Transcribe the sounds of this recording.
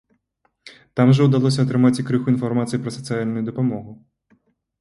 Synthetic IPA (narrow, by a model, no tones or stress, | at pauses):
t̪amʐɐwd̪alˠɔsʲɐɐt̪ɾɨmat͡sʲikɾɨxuinfarmat̪sɨjipɾɐsɐt̪sɨjalʲnujud̪ɐpamɔɣu